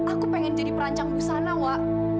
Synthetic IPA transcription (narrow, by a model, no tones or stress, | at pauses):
akupeŋɛnd͡ʒadipəɾaɲt͡ʃaŋbusanawaʔ